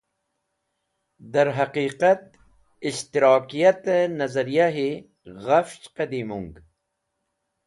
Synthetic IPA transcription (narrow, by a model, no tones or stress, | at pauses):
d̪ɐɾɦɐqiːqat̪̚ | iɕt̪iɾɑːkijat̪ənɐzɐɾijaɦe | ɣaft͡ʃqɐd̪imuŋɡ